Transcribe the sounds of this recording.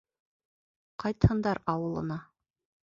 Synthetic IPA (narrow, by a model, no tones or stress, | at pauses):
qɑjt̪hɤ̆nd̪ɑɾɑwɤ̆lˠɤ̰̆nɑ